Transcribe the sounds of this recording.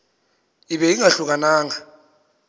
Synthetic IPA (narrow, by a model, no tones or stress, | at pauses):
iɓɛiŋaɬuk̬anaːŋa